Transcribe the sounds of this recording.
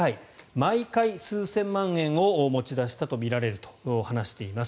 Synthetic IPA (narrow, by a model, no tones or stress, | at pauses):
aimaikaisɨːsẽ̞mːãɰẽ̞ɰ̃o̞mo̞t͡ɕid̪aɕi̥t̪at̪o̞mʲiɾaɾe̞ɾɯ̟t̪o̥hanaɕi̥t̪e̞imas